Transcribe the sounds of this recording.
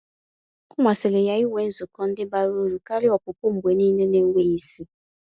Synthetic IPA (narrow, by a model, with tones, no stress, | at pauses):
ʊ˦mʷa˨sɪ˨lɪ˨ja˨i˦we˨˦n̩˦zʊ˨kɔ˦n̩˦dɪ˦ba˨ɾo˦ɾu˨ka˦ɾɪ˦ɔ˨pʊ˨pʊ˦m̩˨ɡ͡bʷe˨niː˦ne˦ne˦ŋ̩˦wʷe˦i˦si˦